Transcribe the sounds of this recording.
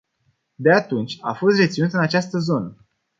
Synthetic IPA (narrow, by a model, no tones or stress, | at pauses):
d̪eat̪unt͡ʃʲa̰fo̞st̪re̞t̪sinut̪ɨnat͡ʃast̪əzo̞nə